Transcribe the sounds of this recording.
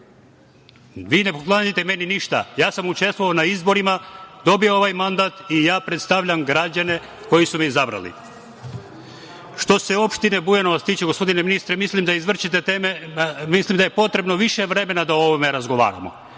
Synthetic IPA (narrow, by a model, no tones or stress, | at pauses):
ʋiːne̞poklˠaːɲit̪eme̞niniʃt̪a̰jaːsamut͡ʃe̞st̪ʋoanaizbo̞ɾimad̪o̞bioo̞ʋajmand̪at̪ijaːpɾe̞t̪st̪aʋʎamɡɾad͡ʑane̞ | ko̞jisumiizabɾa̰lḭ | ʃt̪o̞seo̞pʃt̪inebujano̞ʋast̪iːt͡ʃeɡospo̞d̪ineminist̪ɾemislimd̪aizʋr̩t͡ʃit̪et̪eːmemislimd̪ajepo̞t̪ɾe̞bno̞ʋiʃe̞ʋɾe̞me̞nad̪ao̞ʋomeɾazɡo̞ʋa̰ːɾa̰mo̞̰